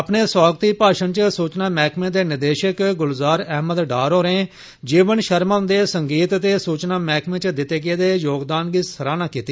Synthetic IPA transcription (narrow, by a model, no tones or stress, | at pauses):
əpneːswaːɡət̪iːpaːʃənt͡ʃsuːt͡ʃnaːmɛːkʰmẽːd̪eːnɪd̪eːʃəkɡʊlzaːɾɛɦməd̪ɖaːɾoːɾẽː | d͡ʒiːʋənʃəɾmaːʊ̃nd̪eːsəŋɡiːt̪t̪eːsuːt͡ʃnaːmɛːkʰmẽːt͡ʃd̪ɪt̪ːeːɡeːd̪eːjoːɡd̪aːnɡiːst̪ʰəɾaːnãːkiːt̪iː